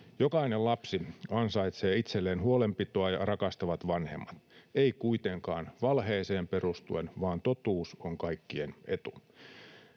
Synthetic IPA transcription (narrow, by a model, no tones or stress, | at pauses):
jokɑinellɑpsiɑnsɑit̪seːit̪selːeːnhuolempit̪oɑjɑrɑkɑst̪ɑʋɑt̪ʋɑnhḛmːɑt̪eikuit̪eŋkɑːnʋɑlɦeːseːmpe̞rust̪uenʋɑːnt̪ot̪uːsoŋkɑikːienʔḛt̪u